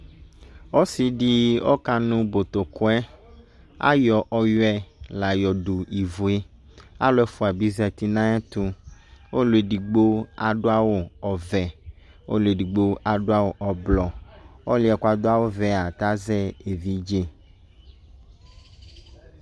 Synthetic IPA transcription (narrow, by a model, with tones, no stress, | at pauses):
wɔ˦si˨ɖi˦ɔ̰˦ka˦nũ˦bo˨t̪o˨ko˦ɛ˦ | a̰˦jɔ˨ʔɔ˨jɔ˦ɛ˦la˨jɔ˨ɖu˨i˨vu˨e˦ | a̰˦lɔ˦ɛ˦fu˦a˨bi˦zɛ˨t̪i˦nã˦ɛ˦t̪u˦wo˦lu˨e˨ɖi˨ɡ͡bo˦a˨ɖo˦a˦wo˦ɔ˨vɛ˨ | wo̰˦lu˨e˨ɖi˨ɡ͡bo˦ʔa˨ɖo˦a˦wo˨ʔɔ˨blɔ˨ɔ˦li˦ɛ˨ka˨d̪o˦a˦wo˦vɛ˨a˨t̪a˦zɛ˦e˨vi˦d͡ʒe˦